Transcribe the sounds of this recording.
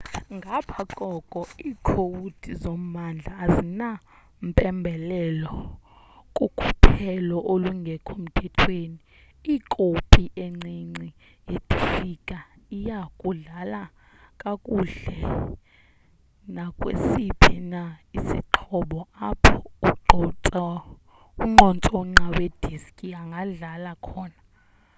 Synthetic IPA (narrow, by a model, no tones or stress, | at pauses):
ŋɡʱapʰaǃʼɔkʼɔiːkʰowutʼizom̩mand͡ɮʱaːzina | m̩pʼɛmbʱɛlɛlɔ | kʼukʰʼupʰɛlɔʔoluŋɡʱɛkʰom̩tʰɛtʰweːni | ikʼopʰʼiʔeŋ͡ǀiŋ͡ǀi | jetʼifikʼa | ijakʼuɮala | kʼakʼuɮɛ | nakʼwḛsipʰinaisḭǃʰɔɓɔapʰɔuǃɔɔ | uŋ͡ǃɔnt͡sʼɔŋ͡ǀawed̥ʱiskʼiaŋɡʱaɮalakʰɔːna